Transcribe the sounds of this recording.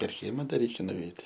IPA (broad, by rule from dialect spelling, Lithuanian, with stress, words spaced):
pʲɛr ˈkʲiɛmɐ dɐ ˈrʲɛɪkʲɛ nʊˈʋʲɛɪtʲ